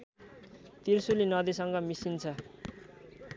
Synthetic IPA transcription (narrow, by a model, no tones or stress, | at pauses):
t̪irsulinʌd̪isʌŋɡʌmisint͡sʰʌ